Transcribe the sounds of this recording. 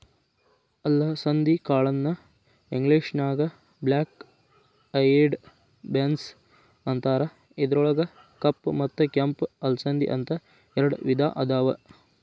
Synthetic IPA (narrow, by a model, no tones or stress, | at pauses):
ɐlːɐsɐnd̪ikaːɭɐnːɐ | iŋɡleːʂnaːɡɐ | blaːk | ɐjeɖ | bens | ɐnt̪aːɾɐ | id̪ɐɾɔɭɐɡɐ | kɐpːmɐt̪ːɐkɐmpɐlsɐnd̪ḭʔɐ̰nt̪ɐ | ɛɾɐɽɐʋid̪ʱa̰ːʔɐd̪aːʋɐ